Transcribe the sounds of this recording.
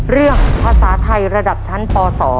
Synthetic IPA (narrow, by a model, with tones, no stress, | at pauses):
ɾɯ˥˩əŋpʰaː˧saː˩˦t̪ʰa˧jɾa˧da˨˩p̚t͡ɕʰa˦˥npɔː˧sɔː˩˦